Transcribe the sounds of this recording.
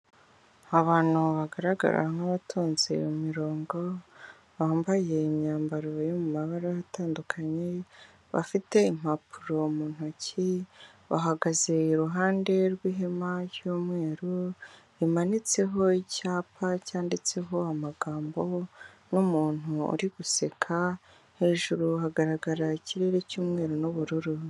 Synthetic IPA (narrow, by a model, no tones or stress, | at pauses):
aβaːn̥huβaɡaɾaɡa̰ɾa̰ŋaβatʰuːnzḭumiɾo̞ːŋɡo̞ | βaːmbajeimɲaːmbaɾojomumaβaɾajataːndukʰaɲe̞ | βa̰fite̞im̥hapʰuɾo̞muːn̥oci | βaɦaɡaze̞iɾuɦaːnde̞ɾwiːɦemajuːmŋe̞ːɾu | imanit͡se̞ɦo̞icaːpʰacaːndit͡se̞ɦo̞amaɡaːmbo̞ | numuːn̥uṵɾiɡuse̞kʰa | he̞ːʒuɾuɦaɡaɾaɡaɾaiciɾe̞ɾecuːmŋe̞ːɾonuβuɾuɾu